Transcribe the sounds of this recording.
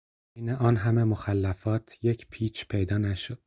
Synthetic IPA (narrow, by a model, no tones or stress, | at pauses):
iːneʔɒːnɦæme̞moxælːæfɒːt̪ʰje̞cʰpʰiːt͡ʃʰpʰe̞jd̪ɒːnæʃod̪̥